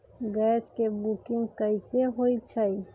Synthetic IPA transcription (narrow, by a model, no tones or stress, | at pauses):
ɡɛːskebukɪ̃ŋɡkəiseɦoit͡ʃʰəi